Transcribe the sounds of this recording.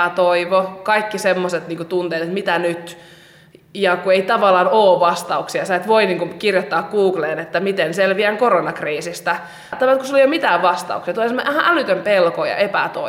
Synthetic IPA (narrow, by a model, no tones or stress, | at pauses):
æt̪oiʋokɑikːisemːoset̪niːŋkut̪unt̪eːt̪et̪mit̪ænyt̪ | jɑkueit̪ɑʋɑlːˑɑːnoːʋɑst̪ɑuksiɑsɑˑit̪ʋoiniːŋkukirjot̪ːɑːkɡ̥uːɡleːnet̪ːæmit̪enselʋiæŋkoronɑkriːsist̪æ | t̪ːɑʋɑlt̪kusulejomit̪æːʋʋɑst̪ɑ̰ṵksiɑt̪uliensmːæhæʔælyt̪ømpelkojɑ̰ʔepæ̰t̪o̰